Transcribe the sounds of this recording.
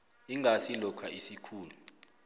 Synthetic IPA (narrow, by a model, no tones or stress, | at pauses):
iŋʱasilɔkʰaisikʰuːlu